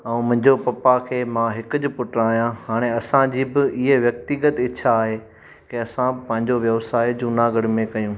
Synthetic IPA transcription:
ɐ̃ũmɐ̃ɦɪ̃ɲd͡ʑopɐpakʰeːmãɦɪkʊd͡ʑʊ̆pʊʈɾaːijãɦaːɽ̃eɐsãd͡ʑiːbɪɪɦeʋjɐk̚t̪ɪɡət̪ɪt͡ɕʰaːɦe | keɐsãpɐ̃ɦɪ̃ɲd͡ʑoʋjɐʋsaːed͡ʑunaɡəɽɪmẽkɐjũː

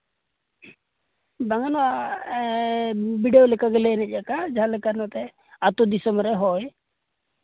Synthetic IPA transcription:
baŋanɔwa | biɖɛjɔlɛkaɡɛlɛnɛc̚ˀjakad͡ʒaɦãlɛkanɔt̪ɛ | at̪ud̪isɔmɾɛɦɔj

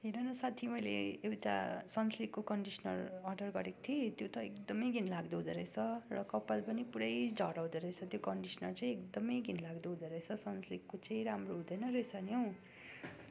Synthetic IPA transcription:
ɦeɾʌnʌsat̪ʰimʌjlḛewʈa̰sʌnslikːokʌɳɖisʌnʌ̰rʌrɖʌrɡʌɾekt̪ʰiet̪jot̪ʌekd̪ʌmʌjɡʱinlaɡd̪oɦũd̪ʌɾʌjt͡sʰʌrʌkʌpːalpʌnipuɾʌjd͡zʱʌ̰ɾaw̃d̪ʌɾʌjt͡sʰʌt̪jokʌɳɖisʌnʌrt͡saj̃ekd̪ʌmʌjɡʱinlaɡd̪uɦũd̪ʌɾʌjt͡sʰʌsʌnslikːot͡sãĩɾamroɦũd̪ʌjnʌɾesʌnjow

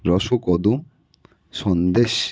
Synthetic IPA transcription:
ɾɔʃokɔd̪um | ʃɔnd̪eʃ

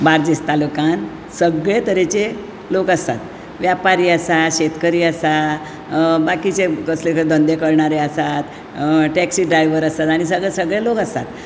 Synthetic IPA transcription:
baɾd͡ʑist̪alukan | səɡɭet̪əɾet͡ɕe | lokəst̪at̪ | ʋjapaɾiːəsat̪ɕet̪kəɾiːəsa | bakit͡ɕekəslekəd̪ə̃nd̪ekəɾɳaɾeəsat̪ | ʈɛksiːɖɾajʋəɾəst̪at̪aɽ̃isəɡɭesəɡɭelokəst̪at̪̚

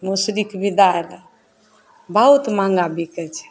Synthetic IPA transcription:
musɾikbid̪aɾ | bəɦut̪mãŋɡabʱikɛt͡ʃʰɛ̥

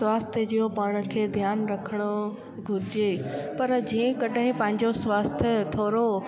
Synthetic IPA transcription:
waːst̪ʰəd͡ʑijopaːɽ̃ə̆kʰeːd̪ʱjaːnɾɐkʰəɽ̃o | ɡʱʊɾɪd͡ʑepɐɾd͡ʑĩːə̃kɐɗəɦɪ̃pɐ̃ɦɪ̃ɲd͡ʑosʋaːst̪ʰjət̪ʰoːɾo

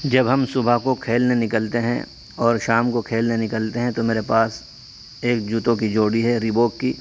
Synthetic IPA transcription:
d͡ʒɐbɦɐmsʊbʱakokʰeːlnenɪkəlt̪eɦɛ̰̃ | ɔːɾʃaːmkokʰeːlnenɪkəlt̪eɦɛ̃t̪omeːɾepaːs | eːkd͡ʒuːt̪õkid͡ʒoːɽiɦɛɾiboːkːiː

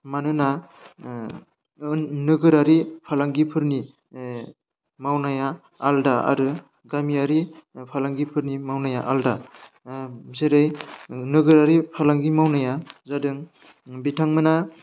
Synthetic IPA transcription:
manɯna | nɯɡɯɾaɾipʰalaŋɡipʰɯɾni | mawnaja̰ː | ldaa̰ɾɯ | ɡamijaɾipʰalaŋɡipʰɯɾnimawnajaʔalda | zeɾɯjnɯɡɯɾaɾipʰalaŋɡimawnajazadɯŋ | bitʰaŋmɯna

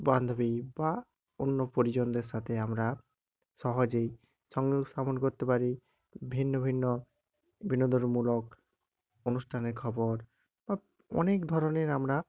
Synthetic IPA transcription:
band̪ʱobiba | onːopoɾid͡ʑond̪eɾsat̪ʰeamɾa | ʃɔɦod͡ʑej | sɔŋɡoɡsamɔnkoɾt̪ːepaɾi | bʱinːobʱinːo | bʱinod̪ʱoɾmulok | onusʈʰaneɾkʰɔbɔɾ | ba | ɔ̰nekd̪ʱɔɾɔneɾamɾa

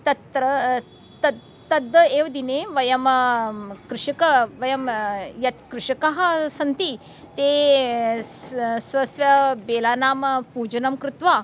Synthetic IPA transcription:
t̪ɐt̪ɾɐ | t̪ɐ | t̪ɐd̪ːɐeːʋɐd̪ineːʋɐjɐm | kɾɪʂɐkɐʋɐjɐmjɐt̪kɾɪʂɐkɐɦɐ̆sɐnt̪i | t̪eː | sʋɐsʋɐbeːlaːnaːmɐpuːd͡ʒɐnɐmkɾut̪ʋaː

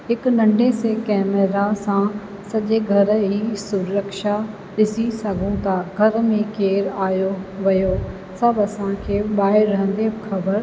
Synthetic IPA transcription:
ɦɪknɐ̃ɳɖʱesekɛːmeɾasã | sɐʄeɡʱɐɾɦiːsʊɾəkʃa | ɗɪsisɐɡʱũt̪aɡʱɐɾmẽkeːɾaːjoʋɐjo | sɐbɐsãkʰeːɓaːɦɪɾːɐɦə̃nd̪ebxɐbəɾ

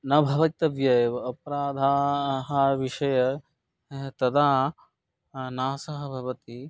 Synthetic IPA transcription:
nɐbʱɐʋɐit̪ɐʋjɐjɐpɐɾaːd̪ʱaːɦɐʋiʃɐjɐ | t̪ɐd̪aː | naːsɐɦɐ̆bʱɐʋɐt̪i

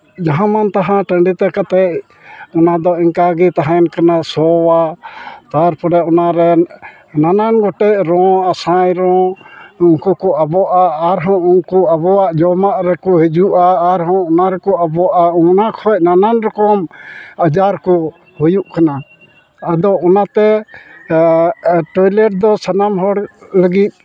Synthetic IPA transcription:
d͡ʒaɦãmant̪aɦãʈəɳɖit̪ɛkat̪ɛʔ̚ | ɔnad̪ɔiŋkaɡit̪aɦãnkanasɔwat̪aɾpɔɾɛʔɔnaɾɛ | nananɡɔʈɛʔɾɔ̃asãjɾɔ̃unkukɔʔabɔʔaːɾɦɔ̃uŋkuabɔwaʔd͡ʒɔmaʔɾɛkɔɦɛd͡ʒuʔaːɾɦɔ̃ɔnaɾɛkɔʔabɔʔaɔnakʰɔc̚nananɾɔkɔmad͡ʒaɾkɔ | hujuʔkana | ad̪ɔʔɔnat̪ɛ | ʈɔjlɛʈ̚d̪ɔsanamɦɔɽləɡit̪̚ˀ

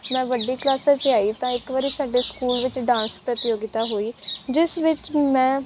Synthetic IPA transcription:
mɛ̃ːʋəɖiːklaːsaːt͡ʃaːiːt̪ãːɪkʋəɾiːsaːɖeːskuːlʋɪt͡ʃɖãːnspɾət̪ɪjoːɡɪt̪aːɦoːiːd͡ʒɪsʋɪt͡ʃmɛ̃ː

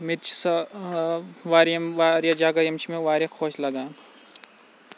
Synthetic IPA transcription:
mɪt̪t͡ʃʰsɐ | ʋaːɾjɐmʋaɾjad͡ʒaːɡajɐmt͡ʃʰimẽʋaːɾjɐkʰoːʃlɐɡaː

